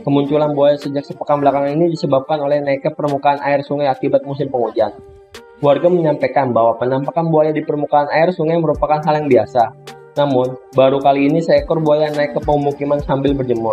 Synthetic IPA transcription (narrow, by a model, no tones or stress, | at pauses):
kəmuɲt͡ʃulanbuajasəd͡ʒak̚səpəkaŋbəlakaŋaninidisəbap̚kanolɛhnaikːəpərmukaːnʔaɪrsuŋajakibat̪̚mus̬ɪmpəŋudian | kluarɡaməɲampekanbaɦwapənampakanbuajadipərmukaːnaɪrsuŋajməɾupakanɦaljaŋbiasa | namʊnbaɾukaliːnisəɛkɔrbuajanaɪkːəpəŋmukimansambɪlbərd͡ʒəmʊr